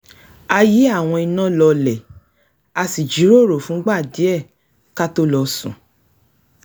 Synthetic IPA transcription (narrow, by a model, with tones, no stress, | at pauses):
a˧ji˨˦a˦˨w̃ɔ̃˧i˧nã˦lɔ˧lɛ˨ | a˧si˨d͡ʒi˨˦ɾo˦˨ɾo˨fũ˨˦ɡ͡ba˦˨di˨˦ɛ˦˨ | ka˦to˦lɔ˧sṵ̃˨